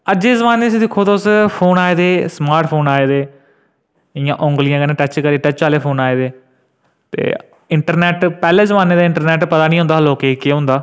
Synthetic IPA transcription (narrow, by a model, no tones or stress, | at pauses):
əd͡ʒeːzəʋaːneːsĩd̪ɪkʰːoːd̪aːʊspʰoːnaːeːd̪eːsmaːɾʈpʰoːnaːeːd̪eː | ɪjãːʔʊ̃ŋɡlɪjãːkənẽːʈət͡ʃkəɾiːʈət͡ʃt͡ʃaːleːpʰoːnaːeːd̪eː | t̪ḛː | ɪɳʈəɾnɛːʈpɛːleːzəʋaːneːd̪aːɪ̃ɳʈəɾnɛːʈpət̪aːnĩːɦʊ̃nd̪aːɦloːkeːkeːɦʊ̃nd̪aː